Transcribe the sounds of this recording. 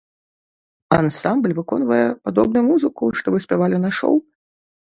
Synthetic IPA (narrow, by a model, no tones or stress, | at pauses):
ansamblʲvɨkɔnvɐjɛpad̪ɔbnʊjumuzɨkuʂt̪ɔvɨsʲpʲavalʲɪnaʂɔ̰w